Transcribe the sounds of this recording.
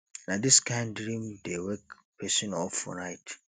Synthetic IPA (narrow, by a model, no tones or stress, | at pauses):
nadiskʰãɪ̃ndɹĩmdewɛk | pʰɛsɔ̃nɔlfɔ̰naɪt